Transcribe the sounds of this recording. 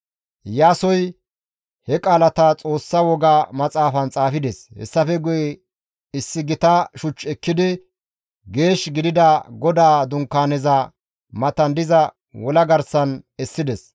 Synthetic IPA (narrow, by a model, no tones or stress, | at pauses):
jaːsɔj | hɛkʼaːlɐt̪ɐt͡sʼo̞ːsːɐwɔɡaːmɐt͡sʼaːfɐnt͡sʼaːfɪd̪ɛshɛ̰sːɐfɛɡʊjɛ | ɪsːɪɡɪt̪ɐʃʊt͡ʃːɛkːɪd̪ɪ | ɡe̞ːʃɡɪd̪ɪd̪ɐɡɔd̪aːd̪ʊŋkːaːnɛzɐ | mɐt̪ɐnd̪ɪzɐ | wɔlɐɡɐɾsɐnɛsːɪd̪ɛs